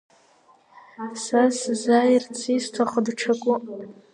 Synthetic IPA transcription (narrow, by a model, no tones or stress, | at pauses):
saszajrt͡sʰistʰaχədʈ͡ʂʰakʷʼʊ